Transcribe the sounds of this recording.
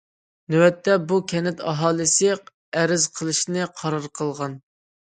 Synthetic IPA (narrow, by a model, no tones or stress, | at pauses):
nywɛt̪ʰːɛbukʲʰɛnɪt̪ʰɑ̰ɦɑːlˠɨsɨ | ɛɾɪzqʰəlˠɨʃnɨqʰɑɾɑɾqʰəlˠʁɑn